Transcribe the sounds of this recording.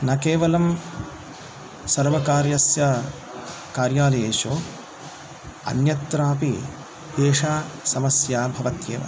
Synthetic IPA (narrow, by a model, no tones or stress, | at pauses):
nɐkeːʋɐlɐm | sɐɾʋɐkaːɾjɐsjɐ | kaːɾjaːlɐjeːʃoː | ɐ̰njɐt̪ɾaːpi | d̪eːʂaːsɐmɐsjaːbʱɐʋɐt̪jḛːʋɐ̰